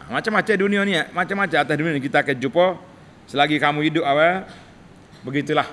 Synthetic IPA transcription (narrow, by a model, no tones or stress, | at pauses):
mat͡ʃamat͡ʃadunianiamat͡ʃamat͡ʃaat̪asdunianikit̪akɛd͡ʒupɔ | səlaɡikamuidʊp̚awɛ | bəɡit̪ulah